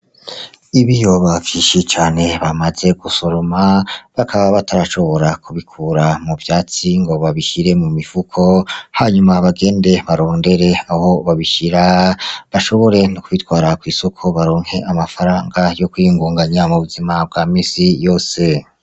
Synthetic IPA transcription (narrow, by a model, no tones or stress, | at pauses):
iβijoβakiʃit͡ʃaːne̞βamaze̞ɡ̥uso̞ɾomaβakʰaβaβatʰaɾaʃo̞βo̞ɾakʰuβikʰuɾamuvjaːt͡siŋɡo̞βaβiʃiɾe̞mumifukʰo̞haɲumaβaɡe̞ːnde̞βaɾo̞ːnde̞ɾe̞aho̞βaβiʃiɾaβaʃo̞βo̞ɾe̞nukuβitwaːɾakwiːso̞kʰo̞βaɾoːŋhe̞ʔamafaɾaːŋɡajo̞kuiŋɡuːŋɡaɲamuβuzimab̚ɡaːmiːsijo̞ːse̞